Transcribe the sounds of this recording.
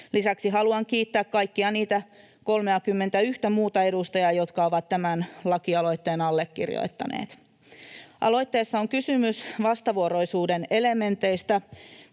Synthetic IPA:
lisæksiɦɑluɑŋkiːt̪ːæːkkɑjkːiɑniːt̪æ | ko̞lmeɑkymːent̪æyht̪æmuːt̪ɑe̞dust̪ɑjɑjo̞t̪kɑo̞ʋɑt̪tæmænlɑkiɑlo̞jt̪ːe̞ːnɑlːekːirjo̰it̪ːɑ̰nḛːt̪ | ʔɑ̰lo̞jt̪ːe̞ːsːɑoŋkysymysʋɑst̪ɑʋuoɾo̞jsuːdene̞le̞me̞nt̪e̞jst̪ɑ

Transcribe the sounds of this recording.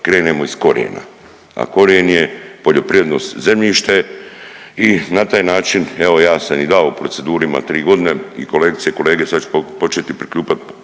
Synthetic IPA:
kɾe̞ːne̞mo̞isko̞ɾḛna̰ | a̰ko̞ɾeenje̞po̞ʎo̞pɾijed̪no̞st̪ze̞mʎiːʃt̪e̞ | inat̪aːjnaːt͡ʃineʋo̞jaːsamid̪aoupɾo̞t̪se̞d̪uːɾima̰t̪ɾiːɡo̞d̪ine̞ḭko̞leːɡit̪sijeko̞le̞ːɡesat͡ʃu̥po̞t͡ʃet̪ipɾikʎʲuːpat̪̚

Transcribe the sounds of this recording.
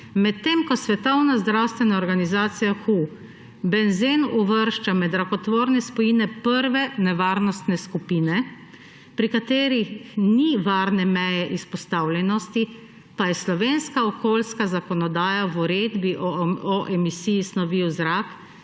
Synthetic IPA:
mɛt̪ːemkɔsʋɛt̪ɔwnazd̪ɾawst̪ʋɛnaɔɾɡanizaːt̪sijaxu | bɛnzenuʋəɾʃt͡ʃamɛd̪ɾakɔt̪ʋoːɾnɛspɔjinɛpəɾʋɛnɛʋaːɾnɔst̪nɛskupiːnɛ | pɾikat̪eːɾixniʋaːɾnɛmɛjɛʔispɔst̪aːwlʲɛnɔst̪i | pajɛslɔʋeːnskaɔkoːlskazakɔnɔd̪aːjawuɾeːd̪biʔɔʔɛmisiːjisnɔʋiwzɾak

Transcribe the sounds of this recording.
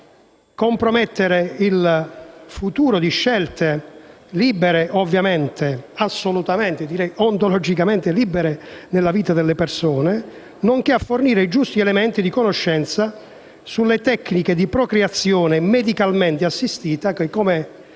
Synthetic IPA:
kompɾomɛt̪ːeɾeil | fut̪uːɾod̪iʃːɛlt̪eliːbeɾeʔovːjament̪easːolut̪ament̪ɪd̪iɾɛjont̪olɔd͡ʒikament̪eliːbeɾenelːaviːt̪ad̪elːepersoːne | noŋk̟eafːorniːɾeid͡ʒust̪iɛlɛmɛnt̪id̪ikonoʃːɛnt̪sa | sulːet̪ɛkːniked̪ipɾɔkɾeat̪sːjɔːnemed̪ikalmɛnt̪easːist̪iːt̪akekɔme

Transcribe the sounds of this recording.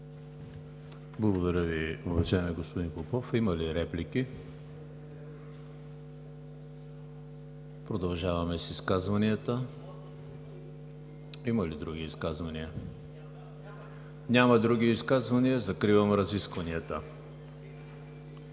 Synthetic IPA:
blˠəɡod̪ɐɾʲəviovɐʒaɛmɛɡospod̪inpopɔfimɐliɾɛpliki | pɾod̪ɐlˠʒavɐmɛsiskazvɐniət̪ə | imɐlid̪ɾuɡiːskazvɐniə | nʲamɐd̪ɾuɡ̟iːskazvɐniəzɐkɾivəmɾɐziskvɐniət̪ə

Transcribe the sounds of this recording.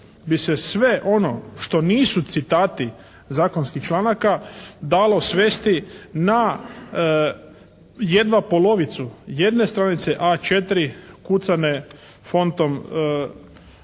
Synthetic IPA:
bisesʋe̞ʔo̞no̞ʃt̪o̞niːsut̪sit̪aːt̪i | zaːko̞nskixt͡ʃlˠanakad̪alo̞sʋeːst̪ina | jed̪ʋapo̞lo̞ʋit̪suje̞d̪ne̞st̪ɾanit̪seʔat͡ʃe̞t̪ɾikut̪sane̞ | fo̞nt̪o̞m

